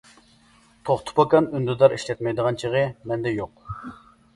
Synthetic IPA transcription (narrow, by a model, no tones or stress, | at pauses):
t̪ʰoχt̪ʰʊ̥pɑkɑnynd̪yd̪ɑɾiʃlɛt̪mɛjd̪əʁɑnt͡ʃʰiʁəmɛnd̪ɛjoq